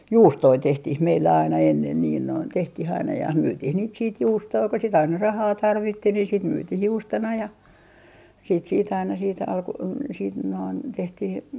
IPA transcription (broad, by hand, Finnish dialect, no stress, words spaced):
juːstoi tehtih meilːæ ɑinɑ enːen niːn noin tehtih ɑinɑ jɑ myːtiːh niːt siːt juːstoi ko sit ɑinɑ rɑhɑː tɑrʋitːi ni sit myːtih juːstonɑ jɑ siːt siːt ɑinɑ siːt ɑlku siːt noin tehtih